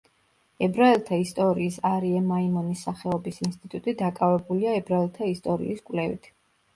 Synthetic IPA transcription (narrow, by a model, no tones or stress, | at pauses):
ɛbɾaɛlˠt̪ʰaist̪ʼɔɾiːsaɾiɛmaimɔnisːaχɛɔbisinst̪ʼit̪ʼut̪ʼid̪akʼavɛbuliaɛbɾaɛlˠt̪ʰaist̪ʼɔɾḭʔːskʼvlɛvḭt̪ʰ